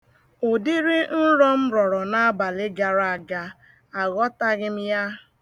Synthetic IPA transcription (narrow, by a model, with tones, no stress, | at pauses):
o˨di˦ɾɪ˦n̩˦ɾɔ˦m̩˦ɾɔ˨ɾɔ˨na˦a˦ba˨lɪ˦ɡa˨ɾa˦a˨ɡa˦ | a˨ɣɔ˦ta˦ɣɪ˦m̩˦ja˦